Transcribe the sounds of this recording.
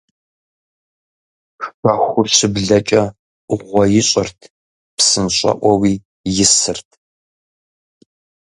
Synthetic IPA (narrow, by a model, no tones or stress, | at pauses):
pɐxʷʊrɕɨbɮɐt͡ʃʼɐ | ʔʊʁʷɔjɪɕʼɐrtʰ | psɨnɕʼɐ̰ʔʷɔwiː | jɪsɨrtʰ